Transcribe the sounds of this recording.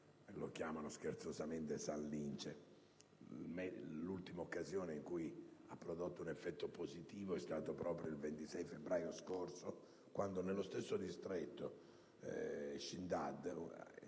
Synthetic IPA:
lo̰k̟jaːmanoskert̪sozament̪esanlːint͡ʃe | mɛlult̪imaokːazjɔːneiŋkujapːɾod̪ot̪ːunɛfːɛt̪ːopozit̪iːvoɛst̪aːt̪opɾɔːpɾjoilvent̪isɛjfebɾaːjoskorso | kwand̪onelːost̪esːod̪ist̪ɾɛt̪ːo | ʃind̪ad̪

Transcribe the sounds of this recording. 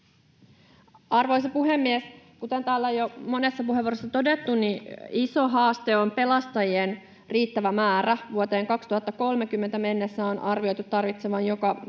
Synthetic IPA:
ɑrʋojsepuɦemːies | kut̪ent̪æːlːæojomo̞ne̞sːɑpuɦeʋorosːɑt̪o̞det̪ːuniiso̞ɦɑːst̪e̞o̞mpe̞lɑst̪ɑjien | riːt̪ːæʋæmæːɾæʋuot̪e̞ːŋkɑkst̪uhɑt̪ːɑko̞lmekymːe̞nt̪æme̞nːesːæo̞nʔɑrʋio̞jt̪ut̪ːɑrʋit̪seʋɑnjo̞kɑ

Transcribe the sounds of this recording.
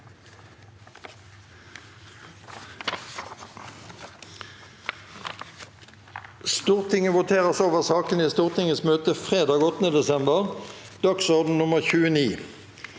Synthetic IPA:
st̪uːʁt̪ʰɪŋəʋʊt̪ʰeːʁəsoːʋəʁsɑːkəniːst̪uːʁt̪ɪŋəsmøːt̪əfʁeːd̪ɑːɡɔt̪nəd̪ɛsɛmbəʁd̪̥ɑksɔʁd̪n̩nʊməʁçʉːəniː

